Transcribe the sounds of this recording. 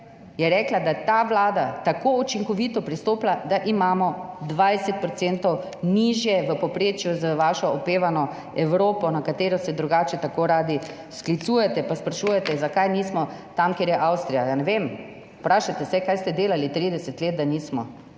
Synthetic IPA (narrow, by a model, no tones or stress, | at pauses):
jɛɾɛklad̪at̪aʋlaːd̪at̪akout͡ʃiŋkɔʋiːt̪ɔpɾist̪oːplad̪aʔimaːmɔd̪ʋajsɛt̪̚pɾɔt̪sent̪ɔw | niʒjɛʋəpɔpɾeːt͡ʃjuzəʋaːʃɔɔpeːʋanɔ | ɛwɾoːpɔnakat̪eːɾɔsɛd̪ɾuɡaːt͡ʃɛt̪akoːɾaːd̪i | sklit̪sujɛt̪ɛpaspɾaʃujɛt̪ɛzakajniːsmɔt̪amkeːɾjɛʔawst̪ɾijajanɛʋem | pɾaːʃat̪ɛsɛkajst̪ɛd̪eːlalit̪ɾid̪ɛsɛt̪leːt̪̚d̪anismɔ